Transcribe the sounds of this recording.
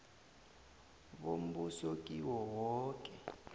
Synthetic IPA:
ɓom̩busok̬ʼiwɔwɔːkʼɛ

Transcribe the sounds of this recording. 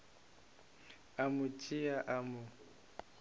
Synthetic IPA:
amʊt͡ʃʼɪaʔamʊ

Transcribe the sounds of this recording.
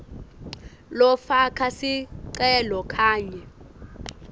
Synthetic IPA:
lɔfakʰasiǀ̬ʼɛlɔkʰaːɲɛ

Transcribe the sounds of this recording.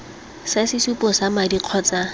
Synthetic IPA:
sasɪsupʼɔsamadiq͡χʰɔːt͡sa

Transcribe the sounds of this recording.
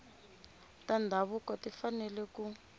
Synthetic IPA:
tandʱaβukɔtifanɛlɛku

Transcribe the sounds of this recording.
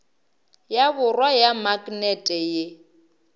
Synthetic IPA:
jaβʊrwajamakʼnɛtʼɛje

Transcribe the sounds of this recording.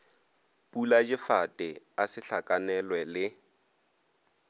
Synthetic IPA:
pʼulad͡ʒɪfatʼɪ | asɪɬakʼanɛlwɛlɪ

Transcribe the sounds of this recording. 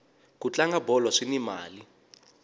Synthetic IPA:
kut͡ɬʼaŋɡabɔlɔʂinima̰ːli

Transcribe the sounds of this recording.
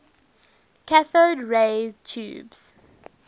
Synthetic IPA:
kʰaθədɹet͡ʃʰṵːbs

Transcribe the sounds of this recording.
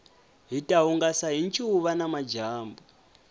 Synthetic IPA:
ɦitʼauŋɡasaɦint͡ʃʰʼuβanamad͡ʒaːmbu

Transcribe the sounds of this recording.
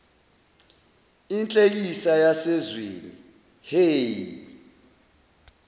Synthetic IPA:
int͡ɬʼek̬isajasɛzwḛni | heːji

